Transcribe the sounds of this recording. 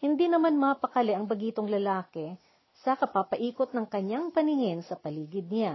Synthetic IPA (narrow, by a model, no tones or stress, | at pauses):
hɪnd̪inɐmanmɐːpɐkɐlɛʔɐŋbɐɡiːt̪o̞ŋlɐlaːkɛ | sɐkɐpapɐʔiːkot̪̚nɐŋkɐɲaŋpɐnɪhɪnsɐpɐliːɡɪd̪̚na